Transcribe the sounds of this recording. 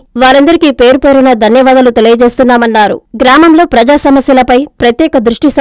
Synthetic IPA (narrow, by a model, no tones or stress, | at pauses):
ʋaːɾɐnd̪ɐɾikipe̞ːɾupe̞ːɾunɐd̪ʱɐnjɐʋaːd̪ɐlut̪e̞lijɐt͡ʃe̞ːst̪unːaːmɐnːaːɾṵɡɾaːmɐmlo̞ːpɾɐd͡ʒaːsɐmɐsjɐlɐpɐjpɾɐt̪jɛːkɐd̪ɾuʂʈis